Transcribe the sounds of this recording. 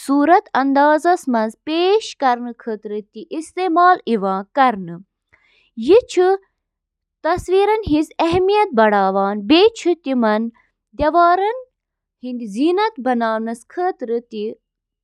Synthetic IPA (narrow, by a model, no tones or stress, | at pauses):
suːɾɐt̪ɐnd̪aːzɐsmɐnzpeːʃkɐɾnɨkʰəːt̪ɾɨt̪iʔist̪eːmaːliʋãːkɐɾnɨ | jit͡ʃʰɨ | t̪ɐsʋiːɾɐnɦĩzɐɦmijɐt̪̚bɐɽaːʋaːnbeːt͡ʃʰut̪imɐn | d̪ʲjɐʋaːɾɐn | hind̪iziːnɐt̪bɐnaːnɐskʰəːt̪ɾɨt̪i